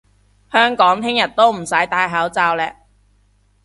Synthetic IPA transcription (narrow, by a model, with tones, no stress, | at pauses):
hœː˥ŋkɔː˨˥ŋt̪ʰɪ˥ŋjɐ˨t̚t̪o˥wm̩˨˩sɐ˨˥jt̪aː˧jɦaː˨˥wt͡saː˧wlɛː˧